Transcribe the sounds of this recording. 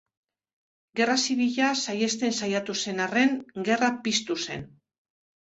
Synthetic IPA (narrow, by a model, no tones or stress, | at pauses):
ɡe̞rasiβiʎasaje̞st̪e̞nsajat̪use̞nare̞ŋɡe̞rapist̪use̞̰n